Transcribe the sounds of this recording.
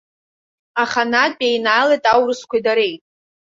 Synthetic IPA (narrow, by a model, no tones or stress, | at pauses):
aχanapʼejnajlajtʼawrɨskʷʰaidaɾe̞jtʼ